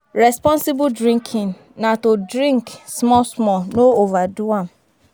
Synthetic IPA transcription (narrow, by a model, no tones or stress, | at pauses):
ɾɛspɔ̃nsibʊdɾĩŋkʰĩn | natodɾĩŋksmɔsmɔnoovaduam̩